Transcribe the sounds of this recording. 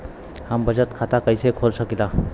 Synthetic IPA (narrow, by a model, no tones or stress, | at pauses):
hambəd͡ʑət̪kʰat̪akəjsekʰolsəkila